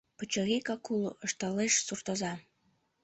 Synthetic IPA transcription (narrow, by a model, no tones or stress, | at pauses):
pət͡ɕə̆ɣʲekɑkuləʃt̪ɑleʃsurt̪ɤ̆zɑ